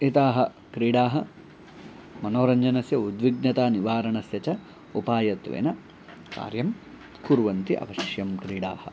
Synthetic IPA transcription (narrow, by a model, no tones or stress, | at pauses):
it̪aːɦɐ | kɾiːɽaːɦɐ | mɐnoːɾɐɲd͡ʒɐnɐsjɐud̪ʋiɡnɐt̪aːniʋaːɾɐɳɐsjɐt͡ʃɐ | upaːjɐt̪ʋḛːnɐ | ka̰ːɾjɐm | kuɾʋɐnt̪iʔɐ̰ʋɐʃjɐmkɾiːɽaːhɐ̆